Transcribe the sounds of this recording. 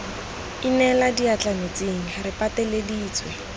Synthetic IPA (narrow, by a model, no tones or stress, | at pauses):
inɛladiat͡ɬanot͡seŋ̩rɪpatelediːt͡swɛ